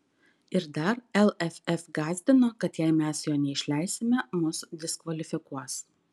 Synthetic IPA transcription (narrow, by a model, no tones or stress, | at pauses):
ɪɾd̪ɐɾɛlˠɛfʲɛfɡɑːzʲbʲɪnoːkɐt̪jæɪmʲɛsjoːnʲɛɪʃʲlʲæɪsʲɪmʲɛmʊsd̪ʲɪskʋɐlʲɪfʲɪkuɔs